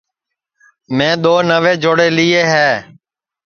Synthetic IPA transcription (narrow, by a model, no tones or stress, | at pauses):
mẽːɗ̪oːnəʋeːd͡ʒoːɽeːlɪːeːɦɛː